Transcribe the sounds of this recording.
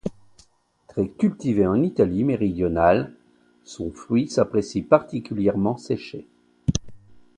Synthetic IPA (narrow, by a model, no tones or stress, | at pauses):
t̪χɛkʲylt̪iveɑ̃nit̪alimeʁid̪jɔnal | sɔ̃fχɥisapχesipaʁt̪ikʲyljɛʁmɑ̃sɛʃe